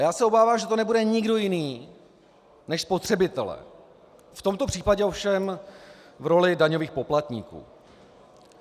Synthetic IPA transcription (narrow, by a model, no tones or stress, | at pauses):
jaːsɛobaːvaːmʒɛt̪o̞nɛbudɛɲɪɡdo̞jɪniː | nɛʃspo̞t̪r̝̥ɛbɪt̪ɛlɛ̰ | ft̪o̞mt̪o̞pr̥iːpaɟɛofʃɛm | vɾo̞lɪdaɲo̞viːxpo̞plat̪ɲḭːkṵː